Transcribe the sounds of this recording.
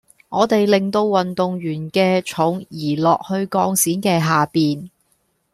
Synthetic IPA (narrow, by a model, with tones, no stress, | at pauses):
ŋɔː˨˧t̪e˨jlɪ˨˩ŋt̪o˧wwɐ˨nt̪ʊ˨ŋjyː˨˩nkɛː˧t͡ʃʰʊ˨˥ŋjiː˨˩lɔː˨k̚hɵ˧ɥkɔː˧ŋsiː˨˥nkɛː˧ɦaː˨piː˨n